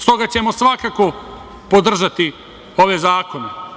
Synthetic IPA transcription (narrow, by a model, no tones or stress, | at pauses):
st̪o̞ɡat͡ɕe̞mo̞sʋakako̞ | pod̪r̩ʒat̪i | o̞ʋezaːko̞ne